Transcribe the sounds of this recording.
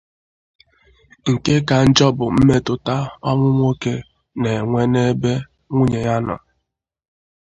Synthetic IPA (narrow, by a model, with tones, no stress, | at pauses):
ŋ̩˨ke˦ka˨n̩˦d͡ʒɔ˦bʊ˨m̩˦me˦tʊ˨ta˦ɔ˦ŋʷʊ˦ŋʷo˦ke˦ | ne˨ŋʷe˦ne˦be˦ | ŋʷu˦ɲe˨ja˦nɔ̰˨